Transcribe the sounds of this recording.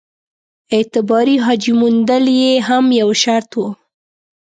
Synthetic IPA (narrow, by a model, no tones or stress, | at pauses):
ɪt̪ɪbɑɾiɦɑd͡ʒimund̪əljeɦamjawʃaɾt̪wu